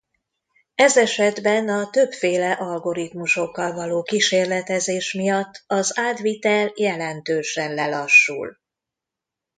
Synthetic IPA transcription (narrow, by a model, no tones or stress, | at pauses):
ɛzɛʃɛd̪bɛnɒt̪ø̞pfeːlɛʔɒlɡo̞ɾit̪muʃo̞kːɒlvɒloːkiʃeːrlɛt̪ɛzeːʃmijɒt̪ːɒzaːd̪ʋit̪ɛljɛlɛnt̪øːʃɛnlɛlɒʃːṵl